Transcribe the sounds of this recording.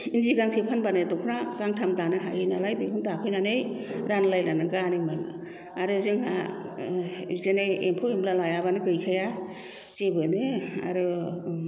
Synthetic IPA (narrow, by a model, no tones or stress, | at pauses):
inziɡaŋsʰepʰanbanɯdɔkʰnaɡaŋtʰamdanɯɦa̰ɯnalajbekʰɯndapʰɯjnanɯjɾanlajlanɯɡanɯjmanɯ | aɾɯzɯŋɦa̰ | izeneempʰɯwemlalajabanɯɡɯjkʰaja | zebɯnɯa̰ɾɯ